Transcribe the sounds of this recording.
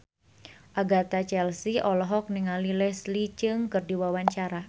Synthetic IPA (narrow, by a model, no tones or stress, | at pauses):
ʔaɡat̪at͡ʃɛlsiɔlɔɦɔk̚niŋalilɛslit͡ʃɨŋkɨrdiwawaɲt͡ʃaɾa